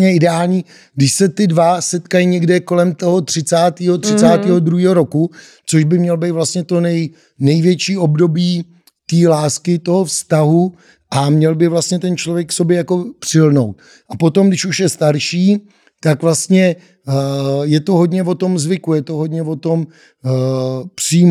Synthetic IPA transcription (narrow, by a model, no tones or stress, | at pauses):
ɲɛʔɪdɛaːlɲiː | ɡdɪʃsɛt̪ɪdvasɛt̪kajiɲɛɡdɛko̞lɛmt̪o̞ɦo̞t̪r̥ɪt͡saːt̪iːɦot̪r̥ɪt͡saːt̪iːɦod̪ɾuɦiːɦo̞ɾoku | t͡soʃbɪmɲɛlbejt̪vlast̪ɲɛt̪o̞nɛj | nɛjvjɛt͡ʃiːo̞bdo̞biː | t̪iːlaːskɪt̪o̞ɦofst̪aɦu | ʔamɲɛlbɪvlast̪̚ɲɛt̪ɛnt͡ʃlovjɛkfsobjɛjako̞pr̥ɪlno̞wt̪̚ | ʔapo̞t̪omɡdɪʃuʃjɛst̪aɾʃiː | t̪akvlast̪ɲɛ | jɛt̪oɦodɲɛvo̞t̪o̞mzvɪkujɛt̪oɦod̪ɲɛvo̞t̪o̞m | pr̥iː